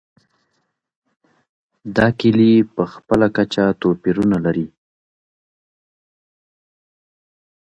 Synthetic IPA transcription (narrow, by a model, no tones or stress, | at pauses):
d̪ɑkilipəxpəlakat͡ʃat̪opiɾunalaɾi